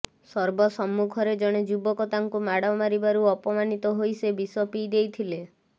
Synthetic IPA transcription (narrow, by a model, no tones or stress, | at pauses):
sɔɾbɔsɔmːukʰɔɾed͡ʒɔɽ̃ed͡ʒubɔkɔt̪aŋkumaɽɔmaɾibaɾuɔpɔmanit̪ɔɦojsebisɔpid̪ejt̪ʰile